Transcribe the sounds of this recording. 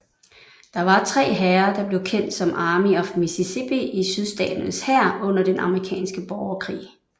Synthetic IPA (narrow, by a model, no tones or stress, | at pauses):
d̥ɑ̈ʋɑ̈t͡sʰʁɛ̰ːɦæɐd̥ɑ̈b̥le̝ʊkʰen̰d̥sɒ̽mʔɑ̈ːmiɒ̽fmisisib̥iʔisyðˠsd̥ɛ̰ːd̥nəshæɐ̰ɔ̽n̰ɐd̥enʔɑ̈məʁikʰɛ̰ːnsɡ̥əb̥ɒʊɐkʰʁḭː